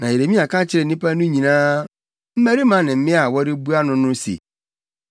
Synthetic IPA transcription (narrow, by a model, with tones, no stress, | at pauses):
nã˨je˨ɾe˨mĩ˦a˨kʰã˦t͡ɕʰɪ˦ɾɛ˨nĩ˦pʰa˦nʊ̃˦ɲĩ˨nãː˦ | m̩˦mæ˦ɾi˦mã˨˦nɪ̃˨m̩˦mɪ̃˦a˨wɔ˦ɾɪ˦bu˦a˦nʊ̃˦nʊ̃˦sḛ˨